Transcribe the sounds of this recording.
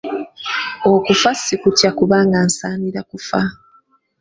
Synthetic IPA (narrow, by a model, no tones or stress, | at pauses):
okufasikutjakuβaːŋɡansaːmiɾakufa